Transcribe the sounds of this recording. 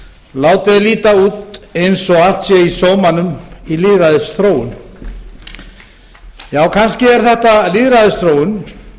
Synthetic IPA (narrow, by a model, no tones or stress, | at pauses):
laːwt̪ɪðaliːt̪auːt̪ejnsɔɣal̥t̪sjɛisɔːmanʏmiliðɾaðɪst̪ɾoːwʏn | jaːwkʰanscɪɛɾ̥θɛht̪aliðɾaðɪst̪ɾoːwʏn